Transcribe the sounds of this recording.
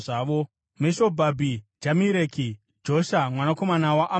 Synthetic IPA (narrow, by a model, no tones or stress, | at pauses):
aːʋo̞ | meʃo̞bʱabʱid͡ʒamiɾeːki | d͡ʒo̞ʃamwanako̞manawaʔa